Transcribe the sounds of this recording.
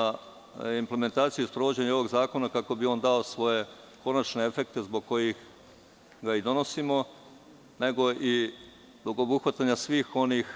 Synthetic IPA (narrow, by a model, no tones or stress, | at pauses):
imple̞me̞nt̪aːt̪sijuispɾo̞ʋo̞d͡ʑe̞ɲeo̞ʋo̞ɡzaːko̞nakako̞bio̞ːnd̪ao̞sʋo̞je̞ | ko̞nat͡ʃne̞efe̞k̚t̪e̞zbo̞ɡ̚ko̞jix | ɡaid̪o̞no̞simo̞ | ne̞ɡo̞ʔi | zbo̞ɡo̞buxʋat̪aɲasʋiːxo̞nix